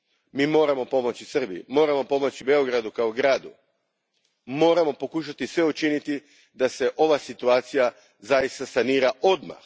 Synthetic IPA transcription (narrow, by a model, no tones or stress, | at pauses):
miːmo̞ːɾamo̞po̞mo̞t͡ɕisr̩biḭmo̞ːɾamo̞po̞mo̞t͡ɕibe̞o̞ɡɾad̪ukaoɡɾaːd̪u | mo̞ːɾamo̞po̞kuʃ̬at̪isʋe̞ut͡ʃinit̪i | d̪ase̞ʔo̞ʋasit̪uaːt̪sija | zajist̪asaniːɾaʔo̞d̪ma̰x